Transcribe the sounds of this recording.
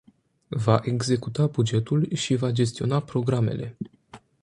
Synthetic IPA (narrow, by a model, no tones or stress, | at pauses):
vaʔeɡze̞kut̪abud͡ʒe̞t̪ulʃivad͡ʒe̞s̬t̪io̞̰napɾo̞ɡɾame̞̰lʔḛ